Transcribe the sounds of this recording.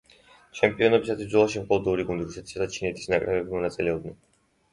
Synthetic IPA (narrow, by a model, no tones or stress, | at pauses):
t͡ʃʰɛmpʼiɔnɔbisat̪ʰwisd̪zɔlˠaʃimqʰʼɔlˠɔd̪ɔuɾiɡund̪iɾusɛt̪ʰi̥sad̪at͡ʃʰinɛt̪ʰi̥snakʼɾɛbɛbimɔnat̪sʼilɛɔbd̪nɛn